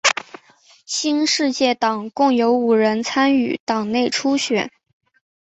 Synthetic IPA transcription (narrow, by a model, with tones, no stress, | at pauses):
ɕi˥nʂɻ̩˥˧t͡ɕjɛ˥˩t̪ɑ˨˩ŋkʊ˥˩ŋjo˧˥ʊu˨˩ɻə˧˥nt͡sʰa˥ny˥˨˩t̪ɑ˨˩ŋne˥˩ɪʈ͡ʂʰu˥ɕɥɛ˨˩˦n